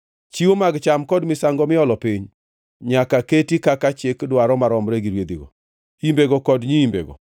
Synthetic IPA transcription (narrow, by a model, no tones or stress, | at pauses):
t͡ʃiwomaɡt͡ʃamkɔdmɪsaŋɡɔmɪɔlɔpɪɲ | ɲakaketikakat͡ʃɪkdwaɾɔmaɾɔmɾeɡiɾwed̪iɡɔ̰ | imbeɡɔkɔdɲiimbḛɡɔ̰